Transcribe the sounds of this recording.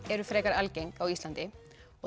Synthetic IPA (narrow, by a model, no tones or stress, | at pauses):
ɛɾʏfɾɛːkaɾalceŋkawist̪ant̪ɪ | ɔ